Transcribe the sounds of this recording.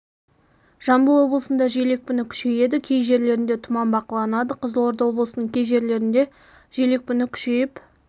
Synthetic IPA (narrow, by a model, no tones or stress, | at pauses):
ʒ̥ɑmbəlˠwo̞blˠəsənd̪ɑʒejle̞k̚pɪnɪkʲʰʏ̥ʃe̞je̞d̪ɪkʲʰejʒe̞ɾle̞ɾɪnd̪e̞t̪ʰʊmɑnbɑqəlˠɑnɑd̪əqʰəzlˠwo̞ɾd̪ɑwo̞blˠəsənəɴkʲʰe̞jʒe̞ɾle̞ɾɪnd̪e̞ | ʒele̞k̚pɪnɪkʲʰʏ̥ʃe̞jɪp